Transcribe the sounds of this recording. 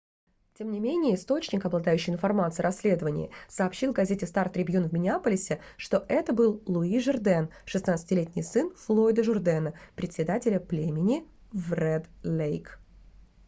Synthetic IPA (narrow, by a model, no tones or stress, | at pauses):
tʲemnʲɪmʲenʲɪjəɪst̪o̞t͡ɕnʲɪkɐblˠɐd̪ajʉɕːɪjɪnfɐrmat̪sɨɪɾɐsʲːlʲe̞d̪əvənʲɪ̰jɪ̰sɐːpɕːilˠvɡɐzʲetʲɪst̪art̪ɾʲɪbʲjunvmʲɪnʲɪapəlʲɪsʲɪ | ʂt̪o̞ʔɛt̪əbɨlˠlˠʊiʐɨrd̪ɛnʂɨsnat̪sɨ̥tʲɪlʲetʲnʲɪjsɨnflˠo̞jd̪əʐʊrd̪ɛnəpɾʲɪt̪ʲsʲɪd̪atʲɪlʲəplʲemʲɪnʲɪ | vrɛd̪lʲejk